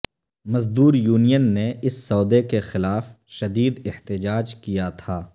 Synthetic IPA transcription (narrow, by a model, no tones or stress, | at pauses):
mɐzd̪uːɾjuːnijənːeɪsːɔːd̪ekexɪlaːf | ʃɐd̪iːd̪ɪht̪ɪd͡ʒaːd͡ʒkijat̪ʰaː